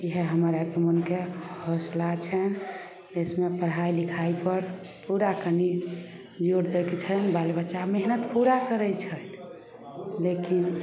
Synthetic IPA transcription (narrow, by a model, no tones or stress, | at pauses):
iɦeɦəmɾakemənkehəslat͡ʃʰən | d͡ʒesmepəɽɦailikʰaipəɾ | puɾakəni | d͡ʒoɽd̪ekt͡ʃʰənbalbəːʃameɦnət̪puɾakəɾət͡ʃʰət̪ | lekin